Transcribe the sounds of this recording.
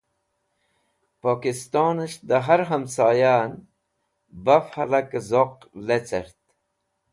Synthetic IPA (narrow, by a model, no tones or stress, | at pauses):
poːkist̪oːnəʃd̪əɦɐɾɦɐmsaːjaːn | bafhɐlɐkzoq | let͡səɾt̪